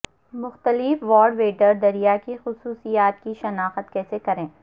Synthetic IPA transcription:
mʊxt̪əlɪfʋɔːɖʋeːɖəɾd̪ɐɾijakixʊsuːsijaːt̪̚kiʃɐnaːxət̪kɛːsekɐɾẽː

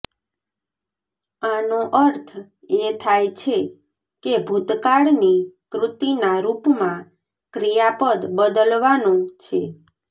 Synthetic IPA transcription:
anõʔəɾt̪ʰ | et̪ʰajt͡ʃʰe | kebʱut̪kaɽnikɾʊt̪inaɾupmã | kɾijapəd̪bəd̪əlʋanõt͡ʃʰe

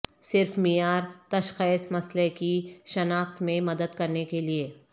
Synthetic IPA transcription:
sɪɾfmijaːɾt̪ɐʃxeːsmɐslekiʃɐnaːxt̪mẽmɐd̪əd̪kɐɾnekelieː

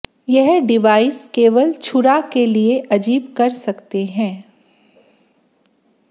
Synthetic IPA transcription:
jɛɦɖɪʋaːɪskeːʋəlt͡ʃʰʊɾakelieʔɐd͡ʒiːbkɐɾsɐkt̪eɦɛ̃ː

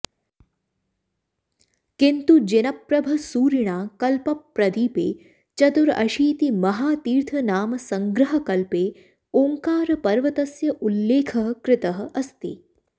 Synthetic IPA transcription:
kɪnt̪ud͡ʒɪnɐpɾɐbʱɐsuːɾiɳ̃aːkɐlpɐpːɾɐd̪iːpḛː | t͡ʃɐt̪uɾɐ̰ʃiːt̪imɐɦaːt̪iːɾt̪ʰɐnaːmɐsɐŋɡɾɐɦɐkɐlpeː | oːŋkaːɾɐpɐɾʋɐt̪ɐsjɐʔulːeːkʰɐɦɐkɾɪt̪ɐɦɐ̆ʔɐst̪ḭ

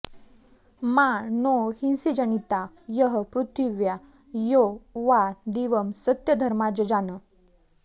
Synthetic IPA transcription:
manohinsid͡ʑənit̪ajəɦəpɾut̪ʰiʋja | joʋad̪iʋəmsət̪jəd̪ʱəɾmad͡ʑəd͡ʑanə

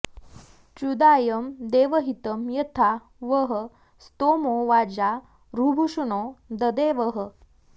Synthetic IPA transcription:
t͡ɕud̪aːjəmd̪eːʋəɦit̪əmjɐt̪ʰa | ʋəɦə | st̪omoʋad͡ʑa | ɾubʱuʂunod̪əd̪eʋəɦə

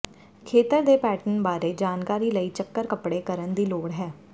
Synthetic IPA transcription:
kʰeːt̪əɾd̪eːpɛːʈənbaːɾeːd͡ʒaːnkaːɾiːləiːt͡ʃəkːəɾkəpɽeːkəɾənd̪iːloːɽɦɛː

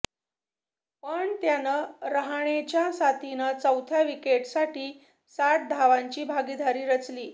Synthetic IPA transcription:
pəɳt̪janəɾəɦɳet͡ɕjasat̪inət͡səwt̪ʰjaʋikeʈsaʈiː | sat̪̚d̪ʱaʋaɲt͡ɕiːbʱaɡid̪ʱaɾiːɾət͡sliː

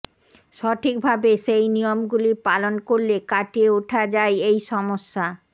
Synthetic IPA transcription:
ʃɔʈʰik̚bʱabeʃejnijomɡulipalonkoɾlekaʈieuʈʰad͡ʑaeejʃɔmoʃːa

